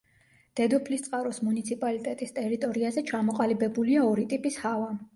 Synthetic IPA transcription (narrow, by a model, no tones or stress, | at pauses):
d̪̥ɛd̪ɔpʰlist̪sʼqʼaɾɔsmunit̪sʰipʼalit̪ʼɛt̪ʼist̪ʼɛɾit̪ʼɔɾiazɛt͡ʃʰamɔqʼalibɛbuliaɔɾit̪ʼipʼishava